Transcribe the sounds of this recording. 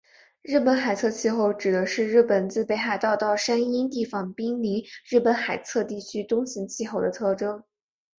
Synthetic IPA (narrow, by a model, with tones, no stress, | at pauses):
ɻɻ̩˥˩pə˧˥nxa˨˩ɪt͡sʰɤ˥˧t͡ɕʰi˥˧xo˥˩ʊʈ͡ʂɻ̩˨˩d̪ə˧˦ʂɻ̩˥˧ɻɻ̩˥˩pə˨˩nt͡sɹ̩˥˩pe˧˥ɪxa˨˩ɪt̪ɑ˥˧ʊt̪ɑ˥˩ʊʂa˥ni˥nt̪i˥˩fɑ˨˩ŋpi˥ŋni˧˥ɻɻ̩˥˩pə˧˥nxa˨˩ɪt͡sʰɤ˥˧t̪i˥˩t͡ɕʰy˥t̪ʊ˥ŋɕi˧˥ŋt͡ɕʰi˥˧xo˥˩ʊd̪ə˦t̪ʰɤ˥˩ʈ͡ʂɤ˥ŋ